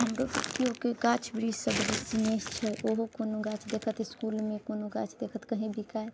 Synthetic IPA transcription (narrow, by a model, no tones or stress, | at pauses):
ɦəmɾosəbkiokeɡat͡ʃʰbɾisəbd̪isinest͡ʃʰɛʔoɦokonoɡãt͡ʃʰd̪ekʰət̪iskulmekonoɡãt͡ʃʰd̪ekʰət̪kəɦĩbikae